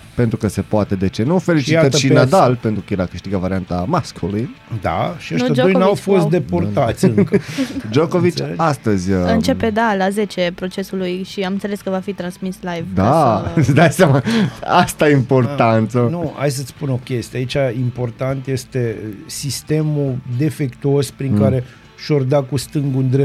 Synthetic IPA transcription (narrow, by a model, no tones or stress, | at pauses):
pent̪ɾukəse̞poat̪e̞d̪e̞t͡ʃe̞nufe̞lit͡ʃit̪əʃinad̪alpe̞nt̪ɾukəjeɾakɨʃt̪iɡavaɾiant̪amaskuli | d̪a̰ʃiad͡ʒoojnawfo̞st̪d̪epoɾt̪at̪sʲɨŋkd͡ʒo̞ko̞vit͡ʃast̪əzʲɨnt͡ʃe̞pe̞d̪alaze̞t͡ʃepɾo̞t͡ʃe̞sulujʃiamɨnseleskəvafit̪ɾansmislajvd̪ad̪ajsʲamaast̪ajimpo̞rtant̪sənua̰js̬ət̪sʲpuno̞kʲe̞st̪ieait͡ʃaimpo̞rt̪ant̪je̞st̪e̞sist̪e̞mud̪e̞fe̞kt̪uo̞spɾiŋkaɾe̞ | ʃord̪akust̪ɨŋɡund̪ɾe